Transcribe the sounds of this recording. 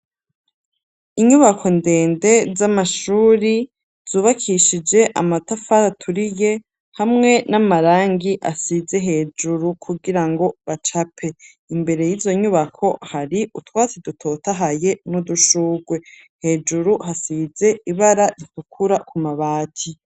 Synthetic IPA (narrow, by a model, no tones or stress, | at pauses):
iɲuβakʰo̞nde̞ːnde̞zamaʃuːɾi | z̥uːβakʰiʃid͡ʒe̞ʔa̰matafaɾatʰuɾije̞ | hamŋe̞namaɾaːŋɡiʔasize̞ɦe̞ːd͡ʒuɾukʰuɡiɾaŋɡo̞βat͡ʃapʰe̞ | imbe̞ɾe̞jizo̞ɲuβakʰo̞haɾiʔutwaːt͡sidutʰo̞taɦaje̞nuduʃuːɡwe̞ | he̞ːd͡ʒuɾuhasize̞iβaɾaɾitukʰuɾakʰumaβaːtʰi